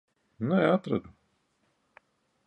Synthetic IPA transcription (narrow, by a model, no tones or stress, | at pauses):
nɛat̪ɾa̰d̪u